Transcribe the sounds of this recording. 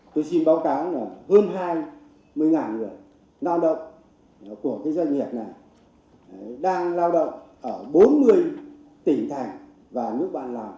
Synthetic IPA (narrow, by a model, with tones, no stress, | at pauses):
t̪o˧jsi˧nɓaː˨˦wkaː˨˦wna˨˩həː˧nɦaː˧j | mɨ˧əjŋaː˨˩nŋɨ˨˩əj | laː˧wɗə̰˧˨wŋ͡m | ku˧˩əkaː˨˦jza˧jŋi˨˩əp̚na˨˩j | ɗaː˧ŋlaː˧wɗə̰˧˨wŋ͡mʔəː˧˩ɓo˨˦nmɨ˧˩əj | t̪ï˧˩ŋt̪ʰa˨˩jŋ̟ | vaː˨˩nɨ˦˥ək̚ɓa̰ː˧˨nlaː˨˩m